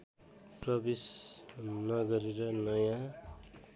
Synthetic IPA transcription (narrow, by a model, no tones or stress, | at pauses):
prʌbis | nʌɡʌɾeɾʌnʌjã